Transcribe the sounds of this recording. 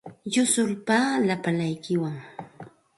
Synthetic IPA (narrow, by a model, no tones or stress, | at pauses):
jʊsʊlpalapalajkɪwaŋ